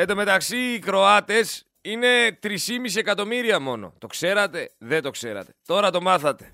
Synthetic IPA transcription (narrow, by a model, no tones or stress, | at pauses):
et̪d̪ome̞t̪ɐksiːkɾo̞ɐt̪e̞s | ine̞t̪ɾisimis̬iekɐt̪o̞miɾiɐmo̞no̞̰t̪o̞kse̞ɾɐt̪e̞ðet̪o̞kse̞ɾɐ̰t̪e̞̥t̪o̞ɾɐt̪o̞mɐθɐt̪e̞